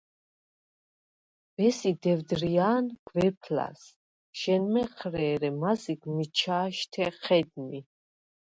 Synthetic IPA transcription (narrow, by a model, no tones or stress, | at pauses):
v̥ɛsid̪ɛvd̪ɾiaːnɡ̥vɛpʰla̰s | ʃɛnmɛqʰɾɛːɾɛmaziɡmit͡ʃʰaːʃt̪ʰɛχʰɛd̪mi